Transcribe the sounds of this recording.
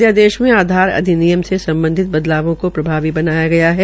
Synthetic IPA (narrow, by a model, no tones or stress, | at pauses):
jad̪eːʃmẽaːd̪ʱaːɾɐ̰d̪ʱinijəmsesɐ̃mbə̃nd̪ʱɪt̪̚bɐd̪laːʋõkopɾɐbʱaːʋibɐnaːjaɡɐjaɦɛ